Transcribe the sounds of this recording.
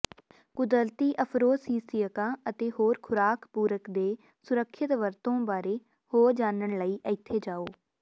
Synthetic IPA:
kʊd̪əlt̪iːʔəpʰɾoːsiːsiːəkãːət̪eːɦoːɾkʰʊɾaːkʰpuːɾəkd̪eː | sʊɾəkʰːɪt̪ʋəɾt̪õːbaːɾeː | hoːd͡ʒaːnəɳləiːʔəɪt̪ʰːeːd͡ʒaːoː

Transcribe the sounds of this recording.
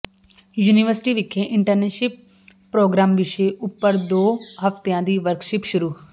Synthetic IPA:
juːniʋəɾsɪ̥ʈiːʋɪkʰːẽːʔɪɳʈəɾneːʃɪp̚ː | ɾoːɡɾaːmʋɪʃeːʔʊpːəɾd̪oːɦəft̪ejãːd̪iːʋəɾkʃɪpʃʊɾuː

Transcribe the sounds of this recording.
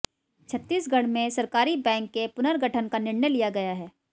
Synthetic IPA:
t͡ʃʰɐt̪ːiːsɡʱɐɽ̤mẽsɐɾkaːɾibɛ̃ːŋkːepʊnəɾɡʱɐʈʰənkanɪɾnəjlijaɡɐjaɦɛː

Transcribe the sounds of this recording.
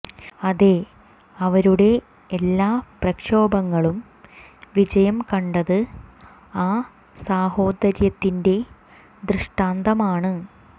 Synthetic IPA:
ɐðe̞ | ɐʋɐɾuɽe̞ː | lːaːprɐkʂo̞ːbɐŋːɐɭum | ʋid͡ʑɐjɐmkɐɳɖɐðɨ | aː | saːho̞ːd̪ɐɾjɐt̪ːinde̞ | d̪rɨʂʈaːnd̪ɐmaːɳɨ

